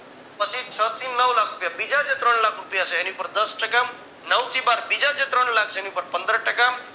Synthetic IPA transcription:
pʌt͡sʰit͡sʰʌt͡sinːʌwlakʰrupjabid͡zad͡zet̪ɾʌɳlakʰrupjat͡sʰʌjeniupʌɾd̪ʌsʈʌkam | nʌwt̪ibaɾbid͡zad͡zet̪ɾʌɳlak̚ʰt͡sʰʌjniupʌɾpʌnd̪ɾʌʈakam

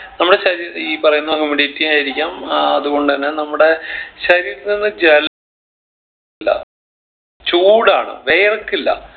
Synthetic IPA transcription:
nɐmːuɽe̞ɕɐɾiːɾiːpɐrɐjunːɐɦumːiɽietːimaːjiɾikʲːaːmɐðuɣo̞ɳɖɨðɐnːe̞nɐmːuɽe̞ɕɐɾiːɾɨninːɨd͡ʑel | lːɐ̰ | t͡ɕuːɽaːɳɨ̰ʋe̞jrkːilːɐ̰

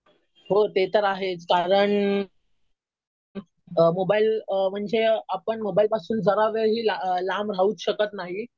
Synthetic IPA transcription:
ɦot̪et̪əɾaɦet͡skaɾəɳ | mobailm̤əɳd͡zeapəɳmobailpasuːnd͡zəɾaʋəɦiːlalamɾ̤auːt͡sɕəkət̪naɦi

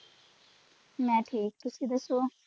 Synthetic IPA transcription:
mɛ̃ːʈʰiːk̚t̪ʊsid̪ɐsoː

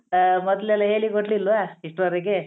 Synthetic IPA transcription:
mɔd̪lɛlːɐɦe̞ːɭikoɽlilʋaːiʂʈʋɐɾiɡe

